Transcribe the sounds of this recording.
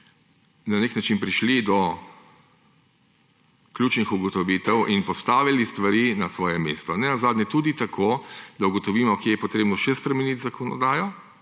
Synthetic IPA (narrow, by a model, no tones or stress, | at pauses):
naneknat͡ʃinpɾiʃlid̪ɔ | klʲuːt͡ʃnixuɡɔt̪ɔʋiːt̪ɛwʔinpɔst̪aːʋilist̪ʋaɾiːnasʋɔːjɛmḛst̪ɔnɛnazaːd̪nʲjɛt̪uːd̪it̪akʰod̪auɡɔt̪ɔʋiːmɔkjɛjɛpɔt̪ɾeːbnɔʃɛspɾɛmɛnit̪zakɔnɔ̰d̪aːjɔ